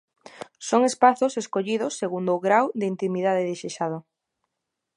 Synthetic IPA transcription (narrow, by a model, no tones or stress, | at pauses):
soŋespaθʊseskoʎið̞ʊsːeɣund̪ʊɣɾawðɪint̪imiðaðɪðeʃeʃað̞ʊ